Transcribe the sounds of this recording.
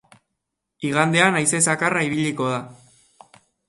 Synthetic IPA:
iɣand̪e̞anajse̞sakaraiβiʎiko̞ða

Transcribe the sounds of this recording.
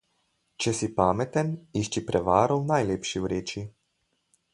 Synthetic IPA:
t͡ʃɛsipaːmɛt̪ɛniʃt͡ʃipɾʔɛʋaːɾɔwnajleːpʃiwɾeːt͡ʃi

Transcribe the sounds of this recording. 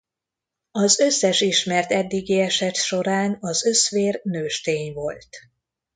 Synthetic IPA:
ɒzø̞sːɛʃiʃmɛrt̪ɛd̪ːiɡiɛʃɛt̪ʃo̞ɾaːnɒzø̞sʋeːrnøːʃt̪eːɲvo̞lt̪

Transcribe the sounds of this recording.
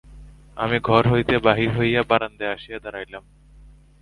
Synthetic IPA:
a̰miɡʱɔɾɦojt̪ebaɦiɾɦojabaɾand̪eaʃijad̪aɾajlam

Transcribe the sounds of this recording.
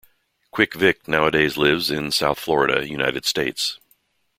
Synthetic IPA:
kʰw̥ɪkvɪk̚naʊədeɪzlɪvzɪ̃nsaʊθflɔɹɨɾɨ̰jʉna̰ɪɾɨd̥steɪts

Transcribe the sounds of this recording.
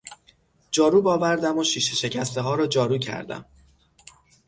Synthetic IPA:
d͡ʒɒːɾuːbɒːvæɾd̪æmoʃiːʃeʃe̞cʰæst̪eɦɒːɾɒːd͡ʒɒːɾuːcʰæ̰ɾd̪æ̰m

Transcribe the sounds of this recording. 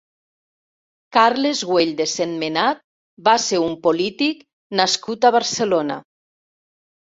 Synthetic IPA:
kaɾlezɣweʎd̪esenmenat̪̚ | baseumpolit̪ik | naskut̪aβaɾselona̰

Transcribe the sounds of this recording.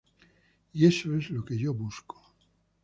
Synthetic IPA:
iesoezlokeʝoβusko̥

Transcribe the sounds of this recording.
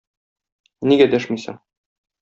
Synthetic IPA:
niɡæd̪æʃmisɘ̰ɴ

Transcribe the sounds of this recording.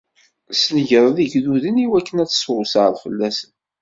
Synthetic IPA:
sləʝəɾˤðiʝðuðəniwækːənæt͡sːsʊsʕəɾfəlːæsən

